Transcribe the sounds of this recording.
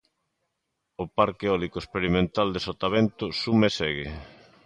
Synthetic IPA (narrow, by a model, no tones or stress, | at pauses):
opaɾkeɔlikoespeɾimẽnt̪ald̪esot̪aβent̪ʊsumesɛɣe